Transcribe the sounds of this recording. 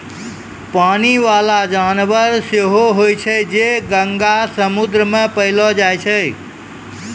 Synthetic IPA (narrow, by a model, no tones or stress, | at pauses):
paniʋalad͡ʒanʋəɾseɦoɦojt͡ʃʰəjd͡ʒeɡəŋɡasəmud̪ɾəmẽpəɦlɔd͡ʒajt͡ʃʰəj